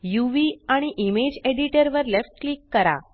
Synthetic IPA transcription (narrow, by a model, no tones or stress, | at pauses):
juʋiaɽ̃iʔimed͡ʒeɖiʈəɾʋəɾlefʈ̚klikːəɾa̰